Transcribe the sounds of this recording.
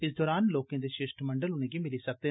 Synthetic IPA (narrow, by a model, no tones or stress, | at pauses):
ɪs̬d̪ɔːɾaːnloːkẽd̪eʃeːʃʈmɐ̃ɳɖəlʊnẽɡimɪlisɐk̚t̪e